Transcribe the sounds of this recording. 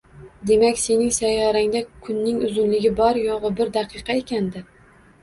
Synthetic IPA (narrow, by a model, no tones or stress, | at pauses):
d̪e̞makʲse̞nɪŋsajːɒɾaŋd̪akʰʊnːɪŋʊzʊnlɪɡʲɪbɒɾjoʁʊbɪɾd̪ɑqʰɨqɑekʲand̪ɪ